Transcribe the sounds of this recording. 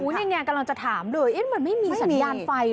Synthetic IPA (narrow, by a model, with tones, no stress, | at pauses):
uː˦˥nɛ˧ŋaː˧ka˧mla˧ŋt͡ɕa˨˩t̪ʰaː˩˦mlɤː˧jʔe˦˥mɯ˧nma˥˩jmiː˧sa˩˦˧jaː˧nfa˧j